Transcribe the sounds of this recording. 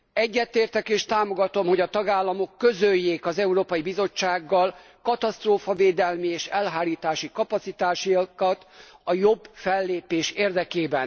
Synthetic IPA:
ɛɟːɛt̪eːrt̪ɛkeːʃt̪aːmo̞ɡɒt̪o̞mho̞ɟɒt̪ɒɡaːlːɒmo̞kːøzøjːeːkɒzɛuɾoːpɒjibizo̞t͡ʃːaːɡːɒl | kɒt̪ɒst̪roːfɒveːd̪ɛlmieːʃɛlɦaːɾiːt̪aːʃikɒpɒt̪sit̪aːʃikɒt̪ɒjo̞bfɛlːeːpeːʃeːrd̪ɛkeːbɛn

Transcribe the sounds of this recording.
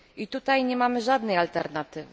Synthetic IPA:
it̪ut̪ajɲɛmamɘʐad̪nɛjalt̪ɛɾnat̪ɘvɘ

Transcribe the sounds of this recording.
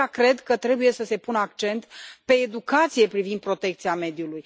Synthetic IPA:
akɾe̞d̪kət̪ɾe̞buje̞səse̞punəakt͡ʃe̞nt̪pe̞ːd̪ukat̪sije̞pɾivind̪̚pɾo̞t̪e̞kt̪sijame̞d̪juluj

